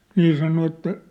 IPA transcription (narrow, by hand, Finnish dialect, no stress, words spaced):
niː sɑno etːæ